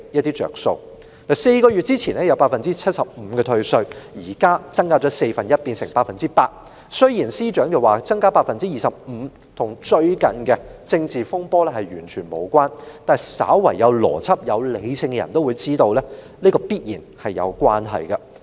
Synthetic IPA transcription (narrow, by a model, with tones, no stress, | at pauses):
jɐ˥t̪̚iː˥t͡ʃœ̰ː˨k̚so̰˧w | lɐ˨˩se˧jkɔː˧ɥyː˨t̚t͡siː˥t͡sʰiː˨˩nɛː˥jɐ˨˧wpaː˧t̚fɐ˨nt͡siː˥t͡sʰɐ˥t̚sɐ˨p̚m̩˨˧kɛ˧t̪ʰɵ˧ɥsɵ˧ɥjiː˨˩kaː˥t͡sɐ˥ŋkaː˥t͡sɔː˨˥se˧jfɐ˨njɐ˥t̚piː˧nsɪ˨˩ŋpaː˧t̚fɐ˨nt͡siː˥paː˧t̚ | sɵ˥ɥjiː˨˩nsiː˥t͡ʃœː˨˥ŋt͡sɐ˨waː˨˩t͡sɐ˥ŋkaː˥paː˧t̚fɐ˨nt͡siː˥jiː˨˩sɐ˨p̚m̩˨˧˦ | t̪ʰʊ˨˩ŋt͡ʃɵ˧ɥkɐ˨nkɛ˧t͡sɪ˧ŋt͡siː˨fʊ˥ŋpɔː˥lɛ˥hɐ˨jɥyː˨˩nt͡ʃʰyː˨˩nmo˨˧wkʷwaː˥nt̪aː˨n˨sa̰ː˨˥wwɐ˨˩jːɐ˨˧wlɔ̰ː˨˩t͡sʰɐ˥p̚jɐ˨˧wle˨˧jsɪ˧ŋkɛ˧jɐ̰˨˩nt̪o˥wuː˨˧jt͡siː˥t̪o˧wlɛː˥ | niː˥kɔː˧piː˥t̚jiː˨˩nhɐ˨jːɐ̰˨˧wkwaː˥nɦɐ̰˨jkɐ˧